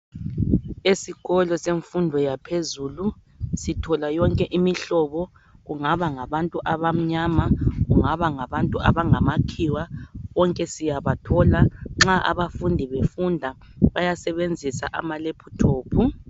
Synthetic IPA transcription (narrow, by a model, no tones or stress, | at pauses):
esiɣɔlɔseɱfundʱɔjapʰezuːlu | sitʰɔlajɔŋkʼɛʔimiɬɔβɔ | ɣuŋaβaŋaβantʼuʔaβam̩ɲamaɣuŋaβaŋaβantʼua̰βaŋamakʰiwaβɔŋkʼɛsijaβatʰɔlaŋ͡ǁaʔa̰βafundʱiβefundʱa | βajasɛβend͡zʱisa̰ʔa̰malepʰutʰoːpʰu